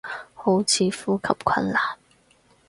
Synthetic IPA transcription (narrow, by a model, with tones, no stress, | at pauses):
ho˨˥wt͡sʰiː˨˥fuː˥kʰɐ˨˩p̚kʰɐ˧nlaː˨˩n